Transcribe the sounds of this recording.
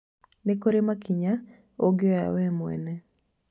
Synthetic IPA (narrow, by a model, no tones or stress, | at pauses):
nekoɾemakiɲa | oɡeja̰wɛmwɛ̰nɛ